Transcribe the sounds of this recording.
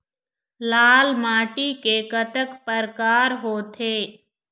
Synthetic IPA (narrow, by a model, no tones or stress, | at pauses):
laːlmaːʈikekət̪əkpəɾkaːɾɦoːt̪ʰeː